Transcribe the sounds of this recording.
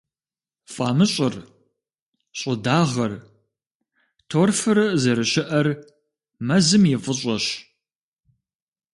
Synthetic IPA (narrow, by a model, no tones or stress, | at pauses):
fʼɑːmɨɕʼɪr | ɕʼʊdaːʁɐr | tʰoːrfɨɾɐzɐɾɨɕɪʔɐr | mɐzɨmjɛfʼɨɕʼɐɕ